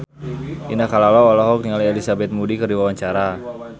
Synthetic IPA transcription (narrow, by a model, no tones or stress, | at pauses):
ʔinakalalɔɔlɔɦɔk̚niŋalielisabɛt̪̚mudikɨrdiwawaɲt͡ʃaɾa